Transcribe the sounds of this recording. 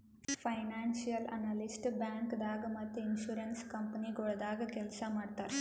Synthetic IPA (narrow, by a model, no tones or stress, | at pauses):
pʰɐjnaːnsijɐlɐ̰naːlisʈbjaːŋkd̪aːɡɐmɐt̪ːeinʃuːɾɐnskɐmpɐniɡɔɭɐd̪aːɡɐkɛlsɐmaːɖt̪aːɾ